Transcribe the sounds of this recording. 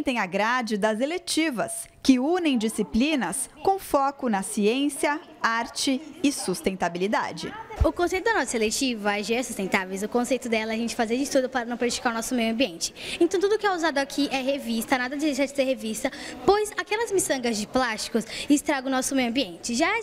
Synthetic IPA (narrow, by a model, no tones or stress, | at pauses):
t̪ẽj̃aɡɾad͡ʒɪd̪ɐzelet͡ʃivɐs | kɪunẽj̃d͡ʒisiplĩnɐs | kõfɔkʊnɐsiẽsiɐ | aɾt͡ʃɪɪsust̪ẽnt̪abilid̪a̰d͡ʒɪ̰ʊkõsejt̪ʊd̪ɐnɔsɐselet͡ʃivɐaʒɛɾɐsu̥st̪ẽnt̪avejzʊkõsejt̪ʊd̪ɛlɐɛaʒẽnt͡ʃɪ̥fazeɾd͡ʒɪt̪ud̪ʊpaɾɐnɐ̃w̃pɾaʒt͡ʃi̥kaɾʊnɔsʊmejʊɐ̃mbiẽnt͡ʃɪ̥ẽnt̪ɐ̃w̃t̪ud̪ʊkɪɛuzad̪ʊakʰiʔɛɦevist̪ɐnad̪ɐd̪ɪzejʃad͡ʒɪseɾɦevist̪ɐpojzakɛlɐzmisɐ̃ŋɡɐzd͡ʒɪplast͡ʃi̥kʊsɪst̪ɾaɡʊnɔsʊmejʊɐ̃mbiẽnt͡ʃɪʒa